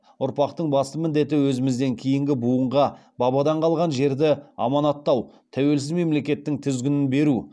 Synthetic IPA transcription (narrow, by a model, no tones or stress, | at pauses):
ʊɾpɑqt̪əɴbɑst̪əmɪnd̪e̞t̪ɪwɵzɪmɪzd̪e̞ŋkʲʰijɪŋɡʲɪbuəɴʁɑ | bɑbɑd̪ɑɴqʰɑlˠʁɑnʒe̞ɾd̪ɪɑ̰mɑnɑt̪ːɑw | t̪ʰæwe̞lsɪzme̞mle̞kʲe̞t̪ːɪŋt̪ʰʏzɡʲɪnɪnbe̞ɾu